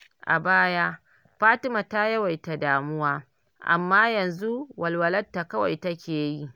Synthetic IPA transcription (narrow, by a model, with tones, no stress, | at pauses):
ʔa̰˨baː˦ja˦ | ɸaː˦tɪ˦ma˨ta˦jɐ˦wa˨jta˨daː˨mʊ˦waː˦ | ʔa̰˨mːaː˦jɐ˨nzu˦wɐ˨lwɐ˨lɐ˦tːa˨kɐ˦wa̰˨jtɐ˦kʲeː˨ji˦ʔ